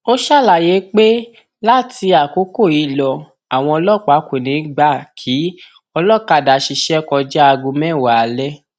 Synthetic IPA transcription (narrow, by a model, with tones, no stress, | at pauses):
o˦ʃa˦˨la˨je˨˦k͡pe˦ | la˦ti˧a˨ko˨˦ko˦˨i˧lɔ˧ | a˨w̃ɔ̃˧ɔ˧lɔ˦˨k͡pa˨˦kʷe˨nĩ˨˦ɡ͡ba˦˨kʰi˨˦ | ɔ˧lɔ˦˨ka˧˨da˨ʃi˧ʃɛ˦kɔ˧d͡ʒɛ˦a˧ɡũ˧mɛ̃˦˨wa˨lɛ˦